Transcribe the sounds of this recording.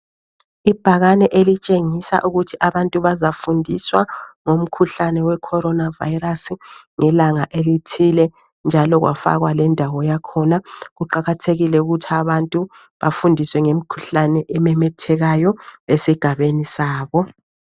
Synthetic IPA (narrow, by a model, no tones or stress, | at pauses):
ib̥ʱaɣanɛʔelit͡ʃʼeŋisa̰ʔuɣutʰiʔaβantʼuβazafundʱiswaŋom̩kʰuɬanɛwɛkʰɔɾɔnava̰iɾasiŋɛlaŋaʔelitʰilɛ | nd͡ʒʱalɔɣwa̰fa̰ɣwalɛndʱawɔjakʰɔnaɣuǃaɣatʰeɣilɛuɣutʰiaβantʼu | βafundʱiswɛŋem̩kʰu̥ɬanɛʔɛmɛmɛtʰɛɣajɔesiɡ̥ʱaβenisaːβɔ